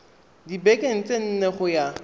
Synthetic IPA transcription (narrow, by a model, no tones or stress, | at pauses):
dibekʼen̩t͡sʼen̩neχʊja